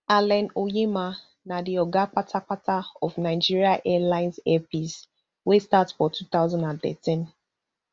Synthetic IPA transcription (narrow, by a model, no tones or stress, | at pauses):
alɛ̃nojema | nadiɔɡak͡patʰak͡patʰaɔfnaɪd͡ʒiɹiaʔɛlãɪ̃nzɛpiz | westatsfɔtʰuθaʊzãndãnθɛ̰tĩn